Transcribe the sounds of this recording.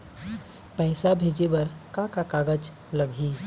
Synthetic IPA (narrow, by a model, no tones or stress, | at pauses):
pɛːsabʱeːd͡ʒebɐɾkakakaːɡəd͡ʒ | ləɡʱiː